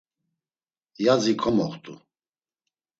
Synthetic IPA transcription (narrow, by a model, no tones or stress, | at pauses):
jad͡zikʰɔmɔχt̪ʼu